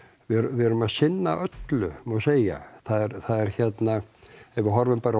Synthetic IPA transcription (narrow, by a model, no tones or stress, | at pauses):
vɪɾvɪɛɾʏmaðsɪnːaʔœt̪lʏmaseːja̰θaðɛɾθaðɛɾ̥çɛt̪naɛvɪɾɦɔɾvʏmpaɾa